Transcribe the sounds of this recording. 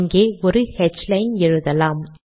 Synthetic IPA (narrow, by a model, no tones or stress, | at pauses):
ŋɡeːɔɾɯhɛt͡ʃlɐɪnɛɻɯðɐlaːm